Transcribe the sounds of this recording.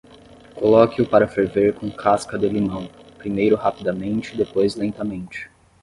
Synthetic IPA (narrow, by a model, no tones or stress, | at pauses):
kolɔkɪʊpaɾɐfeɾveɾkõkʰaskɐd̪elimɐ̃w̃pɾimejɾʊɦapid̪ɐmẽnt͡ʃɪːd̪epojzlẽnt̪ɐmẽnt͡ʃɪ̥